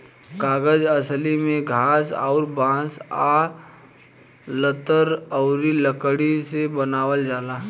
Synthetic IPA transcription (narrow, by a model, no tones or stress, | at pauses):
kaːɡəd͡ʒəslimẽɡʱaːsɔ̰ːɾbãːsa | lət̪əɾɔʊɾiləkəɽisebənaːʋəld͡ʒaːlaː